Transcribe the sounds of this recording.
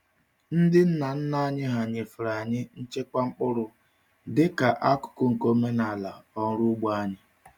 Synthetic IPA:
n̩˦dɪ˦n̩˦na˨n̩˦na˦˨ɲɪ˦ɦa˨ɲɪ˨fʊ˨ɾa˨ɲɪ˦n̩˦t͡ʃe˦kʷa˦ŋ͡m̩˦k͡pʊ˦ɾʊ˨ | dɪ˦ka˨ʔa˦kʊ̥˨kʊ˦ŋ̩˨ko˦me˦na˨la˨ɔ˨ŋ̩˦ɾʊ˦ɡ͡ba˦ɲɪ˦

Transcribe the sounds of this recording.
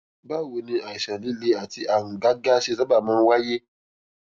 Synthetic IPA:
ba˦˨we˨nĩ˧a˨i˨ʃã˨li˦le˦a˨ti˧ʔa˨ŋ̩˨ɡa˦ɡa˦ʃe˦˨za˦ba˨mãː˧˦wa˦je˦

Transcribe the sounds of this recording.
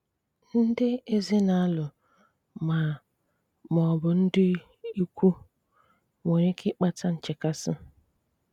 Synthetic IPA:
n̩˦dɪ˦e˦zɪ˦na˨a˦lʊ˨ | ma˨ | mɔ˨bʊ˨n̩˦dɪ˦ | i˦kʷu˦ | mo˨ɾɪ˦kʰɪ˦k͡pa˦ta˦n̩˨t͡ʃɪ˨ka˦sɪ̰˦

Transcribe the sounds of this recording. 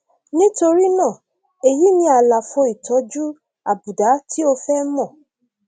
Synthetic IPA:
nĩ˦to˧ɾi˦nã˦˨ | e˨ji˨˦nĩ˧a˨la˨fo˧i˨tʰɔ˨˦d͡ʒu˦ | a˨bu˨da˨˦tʰi˦o˧fɛ˦mɔ̃˦˨

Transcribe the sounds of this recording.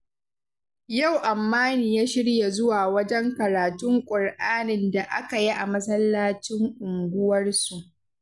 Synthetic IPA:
ja˦˨wʔa˨mːaː˦niː˨jaː˦ʃɪ˦ɽja˨zʊ˦waː˨wɐ˦d͡ʒɛ˦ŋkɐ˨ɾaː˨tʊ˦ŋkʷʼʊ˨rʔaː˦nɪ˨nda˨ʔa˦ka˨ji˦ʔa˨mɐ˦sɐ˦lːaː˦t͡ʃɪ˦ŋʔʊ˨ŋɡʷʊ˦wɐ˦rsu˨ʔ

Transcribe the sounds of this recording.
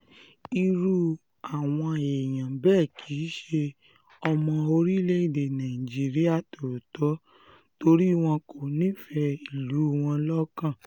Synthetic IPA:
i˧ɾu˧ | a˨w̃ɔ̃˧˨e˨j̃ã˨bɛː˦˨kʰi˨˦ʃe˧ | ɔ˧mɔ̃˧o˧ɾi˦le˦i˦˨de˨nã˨ĩ˨d͡ʒi˨˦ɾi˦a˦˨to˨ɾtɔ˨˦ | to˧ɾi˦w̃ɔ̃˧ko˨nĩ˦fɛ˧i˦˨lu˨˦˨w̃ɔ̃˧lɔ˦kã˦˨

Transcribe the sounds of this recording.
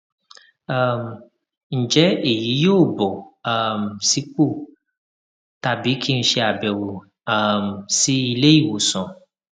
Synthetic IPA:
a˦˨m˨ | n̩˨d͡ʒɛ˦e˦˨ji˨˦joː˦˨bɔ˨a˦˨m˨si˦k͡po˦˨ | ta˨bi˨˦kʰi˦ñ̩˦ʃe˧a˨bɛ˨wo˨ | a˦msi˦i˧le˦i˦˨wo˨sɔ̃˨

